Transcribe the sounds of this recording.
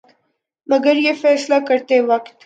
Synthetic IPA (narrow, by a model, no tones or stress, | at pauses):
maɡaɾjefɛslakəɾt̪ewaqt̪